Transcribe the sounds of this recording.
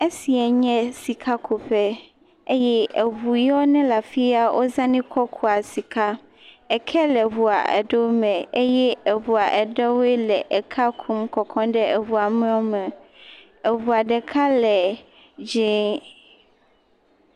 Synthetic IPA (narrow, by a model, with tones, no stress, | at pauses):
e˦si˨ɛ˨ɲɛ̃˦si˨kʰa˦kʰo˨ɸɛ˦ | e˦jɛ˦e˨βu˨jɔ˦nɛ̃˦la˨fi˦a˦wʔo˦zã˦nĩ˦kʰɔ˦kʰu˦a˨si˨ka˦ | ɛ˨kʰɛ˦lɛ˨βu˨a̰˨ʔɛ̰˨ɖo˦mɛ̃˨e˦jɛ˦e˨βu˨a˨ʔɛ˨ɖɛ˦wɛ˦lɛ˨ʔɛ˨kʰa˦kʰu˦mkɔ˨kʰɔ̃˦ɖɛ˦ɛ˨vu˨a˨mɛ̃˦ɔ˦mɛ̃˨ | ɛ˨βu˨a˨ɖɛ˨kʰa˦lɛ˨ | d͡ʒẽ˦